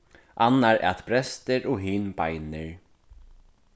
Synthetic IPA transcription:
ʔanːaɾa̰t̪pɾɛst̪ɪɾʔɔɦiːnbajnɪɹ

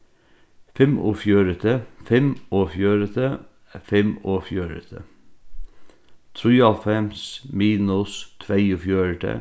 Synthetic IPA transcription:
fɛmo̰ːfjøːɾət̪ʰəfɛmoːfjøːɾət̪ʰə | fɛmoːfjøːɾə̰t̪ʰə̰ | t̪ʰɾyːɑlfɛmsmiːnʊst̪ʰʋæɪʊfjøːɾət̪ʰə̰

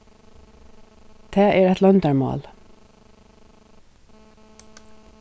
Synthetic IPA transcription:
t̪ʰæːʔɛɹɛt̪lœnt̪ɑɹmɑ̰ːl

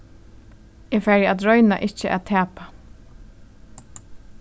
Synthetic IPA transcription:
ɛːfɛɹjat̪ɾɔɥna̰ʔɪht͡ʃəʔa̰t̪ʰæːpa

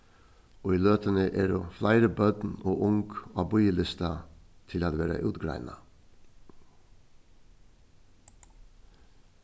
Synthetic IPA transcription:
oːiːløːt̪ənəʔeːɖoːflæɪɾəbœd̪noːʔʊŋɡ̥ɑːbɔʏjəlɪst̪ɑt̪ʰɪlɑːt̪ʋeːɾɑ̰ʔʉːt̪ɡɾæ̰ɪnɑ̰

